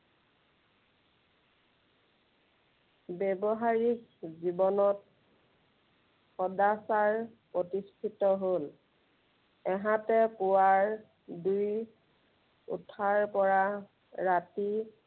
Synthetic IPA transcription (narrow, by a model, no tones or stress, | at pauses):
bɛbɔɦaɹikzibɔnɔt̚ | xɔdasaɹpɹotistʰitɔɦol | ɛɦãtɛpʊwaɹ | duj | ṵtʰaɹpɔɹa | ɹati